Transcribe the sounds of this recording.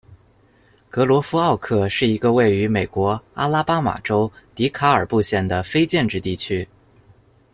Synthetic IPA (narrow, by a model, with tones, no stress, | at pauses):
kɤ˧˥lwɔ˧˥fu˥ɑ˥˧ʊkʰɤ˥˧ʂɻ̩˥˩i˧˥ɡə˧we˥˩ɪy˧˥me˨˩ɪkwɔ˧˥a˥la˥pa˥ma̰˨˩ʈ͡ʂo˥ʊt̪i˧˥kʰa˧˥ə˞˨˩pu˥˧ɕjɛ˥˩nd̪ə˩fe˥ɪt͡ɕjɛ˥˧nʈ͡ʂɻ̩˥˧t̪i˥˩t͡ɕʰy˥